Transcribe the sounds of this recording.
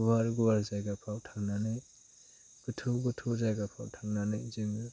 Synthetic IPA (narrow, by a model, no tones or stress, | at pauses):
ubaɾɡubaɾzajɡapʰawtʰaŋnanɯj | ɡ̥ɯtʰuɡɯtʰuzajɡapʰawtʰaŋnanɯjzɯŋɯ